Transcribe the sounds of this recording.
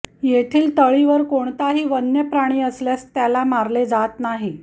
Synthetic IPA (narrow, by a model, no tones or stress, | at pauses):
jet̪ʰiːlt̪əɭiʋəɾkoɳt̪aɦiːʋənjəpɾaɽ̃iːəsljast̪jalamaɾled͡zat̪naɦi